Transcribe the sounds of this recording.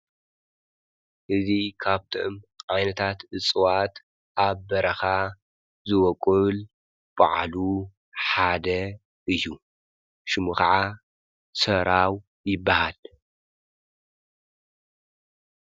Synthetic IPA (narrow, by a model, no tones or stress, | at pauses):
ʔɨzikʰaβt̪ʰɨʔɨmʕajnɐt̪ʰat̪ɨt͡sʼɨwat̪ | ʔaβːɐɾɐxa | zɨwɔkʼɨl | b̥a̰ʕlu | ħad̪ɐ | ʔɨjːu | ʃɨmukɐʕa | sɐɾaw | jɪbːahal